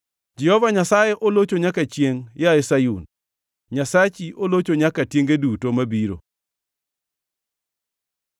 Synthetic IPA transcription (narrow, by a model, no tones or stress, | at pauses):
d͡ʒɛhɔvaɲasajeʔolot͡ʃoɲakat͡ʃjeŋjaesajun | ɲasat͡ʃiʔolot͡ʃoɲakatjeŋɡedutomabiɾo̰